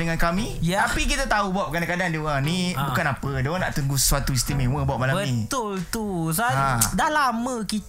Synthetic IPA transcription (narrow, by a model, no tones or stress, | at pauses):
dəŋankamĩjt̪apikit̪at̪aubap̚kanakadandiuaŋnĩbukanapədoana̰ʔt̪uŋɡuswat̪uist̪imewəbaʔ̚malabməit̪ʊlt̪us̬aadahlaməkit̪